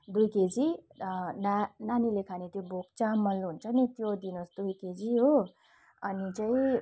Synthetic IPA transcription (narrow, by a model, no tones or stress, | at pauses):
d̪ujked͡zi | nananilekʰanet̪jobok̚t͡samʌlluɦunt͡sʰʌnit̪jod̪inosd̪ujked͡ziɦo | ʌnit͡saĩ